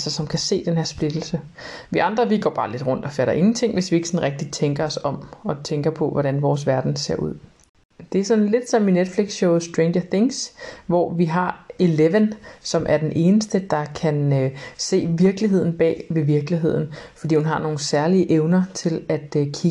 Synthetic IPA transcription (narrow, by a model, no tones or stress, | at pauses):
sɐsɒ̽mkʰæse̝̰ːd̥enɦe̝ɐ̰sb̥le̝d̥l̩sə | ʋiʔɑ̈nd̥ʁɐʋiɡ̥ɒ̰ːb̥ɑ̈ːle̝d̥ʁɔ̽n̰d̥ɒ̽fæɾɐʔe̝ŋn̩t͡sʰe̝ŋ̰ʋe̝sʋie̝ɡ̥əsɒ̽nʁɛɡ̥̚d̥i̥t͡sʰeŋɡ̥ɐɒ̽sɒ̽mɒ̽t͡sʰeŋɡ̥ɐpʰɒ̽ʋɒɾ̥ænʋɒːs̬ʋæɐd̥n̩se̝̰ɐuð̰ˠ | d̥e̝æɐsɒ̽nle̝d̥sɒ̽mined̥fleɡ̥sɕɔʊðˠsd̥ʁenɐθe̝ŋsʋɒ̰ʋiɦɑ̈eleʋənsɒ̽mʔæɐd̥enʔe̝ːnəsd̥əd̥ɑ̈kʰænse̝̰ːʋiɐɡ̥liɦe̝ð̞̰ˠn̩b̥ɛ̰ːʋe̝ʋiɐɡ̥liɦe̝ð̞̰ˠn̩fɒd̥ḭːhunɦɑ̈no̝ːn̩sæɐliəʔeʊnɐt͡sʰe̝læd̥kʰi